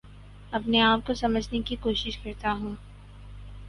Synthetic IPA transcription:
ɐpneaːp̚kosɐməd͡ʒʱnekikoːʃɪʃkɐɾt̪aɦũː

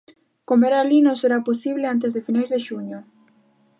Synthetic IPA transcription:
komoeɾalinõseɾaposiβleant̪̬ezðefinajzðeʃuɲo

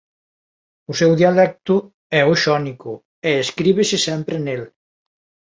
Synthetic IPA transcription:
usɛwðialɛk̚t̪u | ɛuʃɔniku | eeskɾiβesesɛmpɾenel

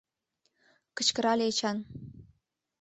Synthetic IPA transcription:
kə̥̆t͡ɕkə̆ɾɑlʲet͡ɕɑn

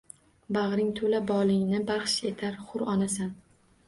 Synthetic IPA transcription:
bɑʁɾɪŋt̪ʰolabɒlˠɪŋnɪbɑχʃe̞t̪ʰaɾχʊɾɒnasan

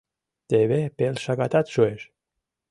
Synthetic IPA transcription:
t̪eβepelʃakat̪at̪ʃueʃ

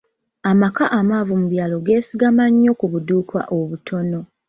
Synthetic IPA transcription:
amakaʔamaːvumuβjaːlo̞ɡe̞ːsiɡamaɲːo̞kuβuduːkwa̰ʔoβutʰo̞no̞

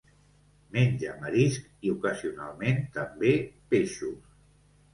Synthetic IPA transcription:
meɲʲʒəməɾisk | iukəziuna̰lˠment̪əmbepeʃus

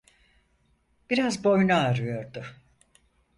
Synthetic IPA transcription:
b̥iɾazbo̞jnaːɾɯjo̞ɾd̪ʊ

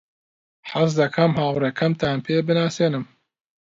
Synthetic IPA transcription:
ħazd̪ɐkʰɐmhaːwɾekʰɐmt̪ʰaːnpʰeːbɨnaːseːnɨm

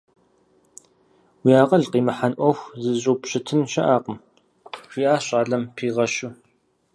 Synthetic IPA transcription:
wijaːqʼɐɮqiːmɨħanʔʷɔxʷzɨʑʼoːpɕɪtʰɨmʃɐʔaːqəm | ɕijaːɕʼaːɮɐmpʰiːʁɐʃu

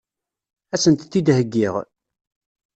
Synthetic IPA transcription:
æsənt̪θid̪həɡːiʁ

